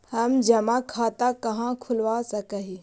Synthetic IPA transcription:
hɐmd͡ʒɐmakʰaːt̪akɐɦãkʰʊlʋasɐkəɦi

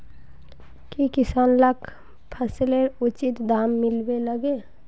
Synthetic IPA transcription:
kikɪsaːnləkʰ | pʰəsleɾʊt͡ʃɪt̪d̪aːmːɪlbeləɡe

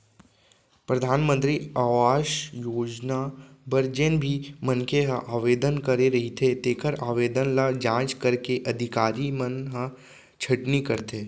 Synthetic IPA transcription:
pɾɐd̪ʱaːnmə̃nt̪ɾiaʋaːʃjoːd͡ʒnabəɾd͡ʒenbʱimənkeɦɐʔaːʋeːd̪ənkɐɾeɾɐɦit̪ʰet̪eːkʰəɾaːʋeːd̪ənlad͡ʒãːt͡ʃkɐɾkeʔɐd̪ʱɪkaːɾimənɦə | t͡ʃʰɐʈnikɐɾt̪ʰeː

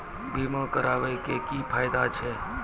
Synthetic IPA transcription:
bʱimõkəɾaːʋekekipʰaːjd̪at͡ʃʰe

